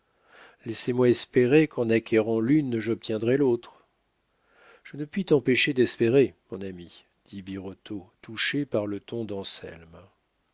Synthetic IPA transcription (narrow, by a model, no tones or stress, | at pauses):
lɛsemwaɛspeʁekɑ̃nakʲʰeʁɑ̃lynʒɔp̚t̪jɛ̃d̪ʁɛlot̪χ | ʒ̥ənəpɥit̪ɑ̃peʃed̪ɛspeʁemɔ̃nami | d̪̥ibiʁɔt̪ʰot̪uʃepaʁlət̪ɔ̃d̪ɑ̃sɛ̰lm